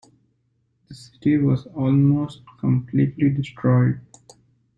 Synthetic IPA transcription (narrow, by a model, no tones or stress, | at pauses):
d̪̥əsɪ̥ʈiʋɔːzɔːlmoːsʈkə̃mpliːʈliɖɪsʈɾɔɪɖ